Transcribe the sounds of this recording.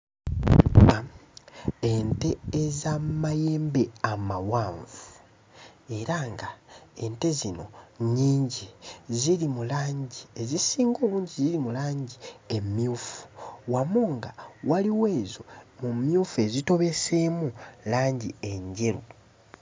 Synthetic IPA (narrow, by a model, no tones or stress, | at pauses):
a | ente̞zamaje̞ːmbe̞amawaːɱvu | e̞ɾaŋɡae̞nte̞zino̞̰ɲiːɲɟizilimulaːɲɟie̞zisiːŋɡo̞ːβuːɲɟiziɾimulaːɲɟie̞mjuːfu̥wamuŋɡawaliwe̞ːzo̞mumjuːfue̞zito̞βe̞semulaːɲɟie̞ɲɟe̞ɾu